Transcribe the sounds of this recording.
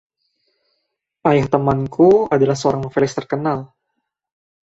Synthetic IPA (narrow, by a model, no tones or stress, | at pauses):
ʔajaht̪əmankʰuadalahsəoɾaŋməŋfɛlɪst̪ərkənal